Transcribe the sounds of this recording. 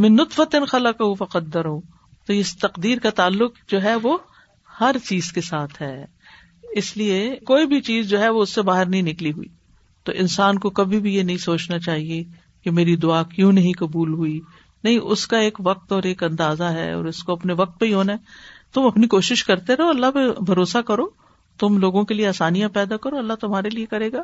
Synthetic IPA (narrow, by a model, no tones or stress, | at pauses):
mɛ̃nːʊt̪fət̪ɪnxɐlɐqɐɦufɐqɐd̪ːəɾɦũ | t̪ojest̪ɐqd̪iːɾkat̪aːlːʊqd͡ʒoːɦɛʋo | hɐɾt͡ʃiːzkesaːt̪ʰɦɛː | ɪsliekoːibʱit͡ʃiːzd͡ʒoːɦɛʋoʊsːebaːɦɪɾnɐɦĩnɪkliɦuḭː | t̪o̰ːʔɪ̃nsaːnkokɐbʱibʱijenɐɦĩsoːt͡ʃnat͡ʃaːɦie | kemeːɾid̪ʊaːkjũnɐɦĩkɐbuːlɦui | nɐɦĩʔʊskaeːkʋɐk̚t̪ɔːɾeːkɐ̃nd̪aːzaɦɛ̰ɔ̰ːɾɪskoɐpneʋɐk̚t̪̚peiɦoːnaɛt̪ʊmɐpnikoːʃɪʃkɐɾt̪eɾɛɦoɐlːaɦpebʱɐɾoːsakɐɾoː | t̪ʊmloːɡõkelieaːsaːnijãpɛːd̪akɐɾoɐlːaɦt̪ʊmɦaːɾeliekɐɾeːɡaː